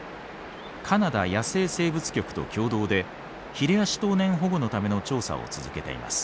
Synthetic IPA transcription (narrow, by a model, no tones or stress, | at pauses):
kʰanad̪ajase̞ːse̞ːbɯ̟t͡sɨ̥kʲo̞kɯ̟̥t̪o̞̰kʲo̞ːd̪o̞ːd̪e̞ | çiɾe̞aɕi̥t̪o̞ːnẽ̞ɰ̃ɦo̞ɡo̞no̞t̪ame̞no̞t͡ɕo̞ːsa̰o̰t͡sɨzɨke̞t̪e̞̰ḭma̰sɨ̥